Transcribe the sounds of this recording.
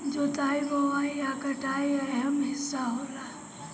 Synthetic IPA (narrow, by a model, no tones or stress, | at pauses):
d͡ʒoːt̪aːiboʋaːiaːkəʈaːiɔɛɦəmɦɪsːaɦoːlaː